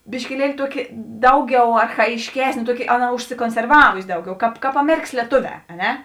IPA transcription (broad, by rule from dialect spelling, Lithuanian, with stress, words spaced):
bʲɪʃʲkʲɪˈlʲiɛlʲɪ ˈtuɔkʲɪ ˈdɐʊˌɡʲɛʊ ɐrxɐjɪʃʲˈkʲæːsʲnʲeː ˈtuɔˌkʲɪ ˈɑːˌnɐ ʊʃʲsʲɪkoːnʲsʲɛrˈʋɑːʋʊsʲɪ ˈdɐʊˌɡʲɛʊ ˈkɑːp ˈkɑːp ɐˈmʲæːrʲɪkɐs lʲiɛˈtoːˌʋʲɛː ɐ ˈnʲɛ